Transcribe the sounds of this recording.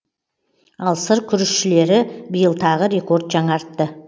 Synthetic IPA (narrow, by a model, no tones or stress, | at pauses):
ɑlˠsəɾkʲʰʏɾɪʃʃɪle̞ɾɪbijəlˠt̪ʰɑʁəɾe̞ko̞ɾd̪ʒɑɴɑɾt̪ːə